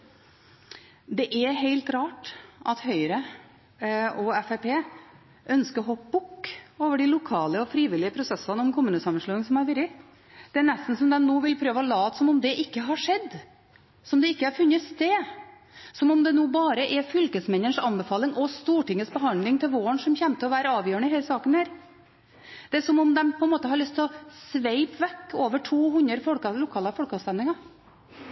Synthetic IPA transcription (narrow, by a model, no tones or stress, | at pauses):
d̪ɛʔæɦeɪlt̪ɾɑːʈʔɑt̪hœʏɾə | ɔɛfæpeː | ʔœnskəɾɦɔbʊkːoːʋəɖɪlʊkʰɑːləɔfɾiːʋɪlɪəpʰɾʊsɛsəɑnəɔmkʰʊmʉːnəsɑmənʂɭʉːɪŋəsɔmæɾʋɪɾɪ | d̪̥ɛæɳɛst̪n̩sɔmd̪ɛnnoːʋɪlpʰɾøːʋəɔlɑːt̪sɔmɔmd̪ɛʔɪkːəɦɑʂɛd̪ː | sɔmd̪ɛɪkːəhɑɾfʉnːəst̪eː | sɔmɔmd̪ɛnuːbɑːɾəʔɛfʏlkəsmɛnːəɳʂɑnbɛfɑːlɪŋʔɔst̪uːʈɪŋːəsbəɦɑnd̪lɪŋt̪ʰɪlʋoːəɳsɔmçɛmt̪ʰːɪɔʋæːɾəɑːʋjøːəɳəɪɦeːləsɑːkənhæːɾ | d̪̥ɛæʂɔmɔmd̪ɛmpʰɔɛnmoːt̪əhɑɾɭʏst̪ʰɔsʋeɪpʋɛkːoːʋəʈʰuːɦʉnəɾfɔlkɑlʊkʰɑːlɑfɔɭkɑst̪ɛnɪŋɑ